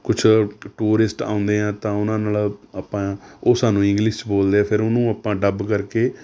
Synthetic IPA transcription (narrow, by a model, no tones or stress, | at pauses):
kʊt͡ʃʰʈuːɾɪsʈa̰ːʊ̃nd̪eːɛ̃ːt̪ãːʊnãːnaːlapːãːoːsaːnũːɪ̃ŋɡlɪʃt͡ʃboːld̪eːɛːpʰɪɾʊnũːapãːɖəbkəɾkeː